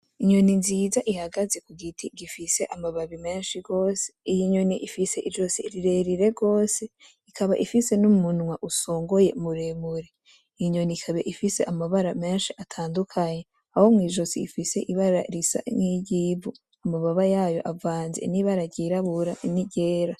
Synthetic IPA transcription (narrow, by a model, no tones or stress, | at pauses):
iɲo̞ninziːzaʔihaɡaze̞kuɡitʰiɡifise̞ʔamaβaβime̞ːnʃiɡo̞ːse̥ijiɲo̞niʔifise̞ʔiʒo̞siɾiɾe̞ɾiɾe̞ɡo̞ːse̞ | ikʰaβaʔifise̞numunŋwaʔusoːŋɡo̞je̞muɾemuɾe | ijiɲo̞nikʰaβeʔifise̞ʔamaβaɾame̞ːnʃiʔatʰaːndukʰaɲe | aho̞mŋiːʒo̞sḭːfise̞ʔiβaɾa̰ɾisa̰ɲiɟibu | amaβaβajaːjo̞̰ʔavaːnzḛniβaɾaɟiɾaβuɾaniɟe̞ːɾa